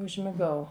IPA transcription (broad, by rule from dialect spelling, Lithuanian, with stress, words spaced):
ʊʒʲmʲɪˈɡɐʊ